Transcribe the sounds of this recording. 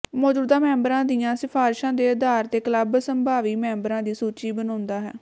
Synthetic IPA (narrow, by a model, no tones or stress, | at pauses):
mɔːd͡ʒuːd̪ãːmɛ̃ːmbɾãːd̪iːãːsɪpʰaːɾʃãːd̪eːəd̪aːɾt̪eːkələbsəmbʱaːʋiːmɛ̃ːmbɾãːd̪iːsuːt͡ʃiːbənaːnd̪aːɦɛː